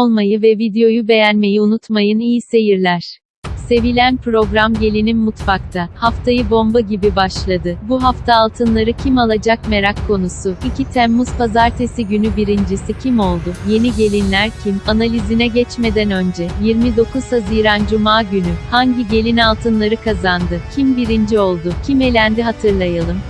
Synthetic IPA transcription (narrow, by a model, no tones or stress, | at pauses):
lˠmajɯvɛvid̪ejo̞jube̞jænme̞jiunut̪majɯnijise̞jiɾlʲæɾ̥ | se̞vilʲænpɾo̞ɡɾamɟe̞lʲinimmut̪fak̚t̪ʰahaft̪ʰajɯbo̞mbaɟibibaʃlˠad̪ɯbuɦaft̪ʰaːlˠt̪ʰɯnlˠaɾɯcʰimalˠad͡ʒakme̞ɾakʰːo̞nusʊicʰit̪ʰɛmːuzpazaɾt̪ʰe̞siɟynybiɾind͡ʒisicʰimo̞lˠd̪ʊje̞niɟe̞lʲinlʲæɾcʰimanalʲizinɛɟɛt͡ʃme̞d̪ænø̞nd͡ʒɛjiɾmid̪o̞kʰuzsazijɾand͡ʒumaːɟynyhaɲɟiɟe̞lʲinalˠt̪ʰɯnlˠaɾɯkʰazand̪ɯcʰimbiɾind͡ʒio̞lˠd̪ʊcʰime̞lʲænd̪iɦat̪ʰɯɾlˠajalˠɯm